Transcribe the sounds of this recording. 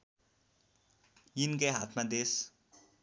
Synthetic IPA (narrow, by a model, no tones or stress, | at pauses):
jinkaɦat̪ʰmad̪es